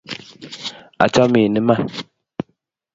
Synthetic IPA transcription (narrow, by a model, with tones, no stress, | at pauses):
a̰˨t͡ʃa˦mi˨nə˦ma˦˨